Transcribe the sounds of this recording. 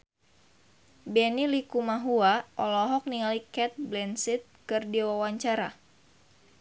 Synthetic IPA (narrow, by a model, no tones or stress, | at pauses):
bɛnilikumaɦuaʔɔlɔɦɔk̚niŋalikɛt̪̚blɛnsit̪̚kɨrdiwawaɲt͡ʃaɾa